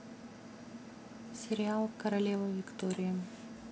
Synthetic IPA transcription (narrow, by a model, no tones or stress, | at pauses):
sʲɛɾʲɪalˠkɐɾɐlʲevɐvʲɪkt̪ɔɾʲɪjə